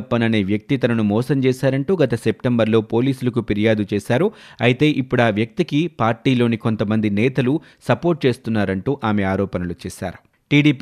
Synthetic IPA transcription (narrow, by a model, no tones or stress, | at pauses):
ɐpːɐnɐneːʋjɐk̚t̪it̪ɐnɐnumɔːsɐmt͡ʃɛːʃaːɾɐɳʈuːɡɐt̪ɐsep̚ʈembɐɾlo̞ːpo̞ːliːsulɐkupiɾijaːd̪ut͡ʃɛːʃaːɾuɐjt̪e̞ːʔipːuɽaːʋjɐk̚t̪ikipaːɾʈiːlo̞ːniko̞nt̪ɐmɐnd̪inɛːt̪ɐlu | sɐpo̞ːɾʈ̚t͡ʃe̞ːst̪unːaːɾɐɳʈuːʔaːmeaːɾɔːpɐnɐlut͡ʃɛːʃa̰ːɾu | ʈiːɖiːp